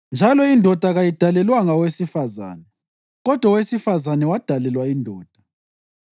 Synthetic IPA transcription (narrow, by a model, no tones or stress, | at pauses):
nd͡ʒʱalɔindʱɔd̥ʱaɣajid̥ʱalɛlwaŋawesifaza̰ːnɛ | ɣɔd̥ʱwawesifazanɛwad̥ʱalɛlwaindʱɔːd̥ʱḁ